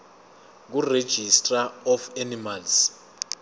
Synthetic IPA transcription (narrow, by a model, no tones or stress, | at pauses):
k̬ured̥ʒ̥ʱistʼraɔfanimals